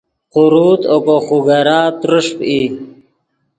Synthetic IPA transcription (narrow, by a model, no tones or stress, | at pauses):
quɾuːt̪okoxuɡaɾaːt̪ɾʊʂpi